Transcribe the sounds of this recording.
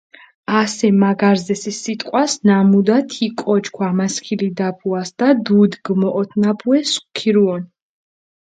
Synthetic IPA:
asɛmaɡaɾzɛsisːit̪ʼqʼwasnamud̪at̪ʰikʼɔt͡ʃkʰwamaskʰilid̪apʰuasd̪̥ad̪ud̪ɡmɔʔɔt̪ʰnapʰuɛsχkʰiɾuɔn

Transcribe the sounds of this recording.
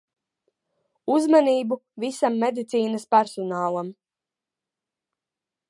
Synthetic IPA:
uzmaniːbuvisamːed̪it̪siːnɐspæɾsɔnaːlˠam

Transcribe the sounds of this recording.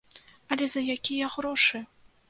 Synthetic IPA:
ɐlʲɛzɐjakʲijɐɣɾɔʂɨ

